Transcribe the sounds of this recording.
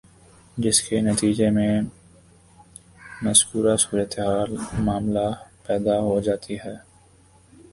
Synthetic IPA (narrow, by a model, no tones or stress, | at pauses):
d͡ʒɪskenɐt̪iːd͡ʒemẽ | mɐzkuːɾasuːɾət̪eɦaːlmaːmlapɛːd̪aɦod͡ʒaːt̪iɦɛː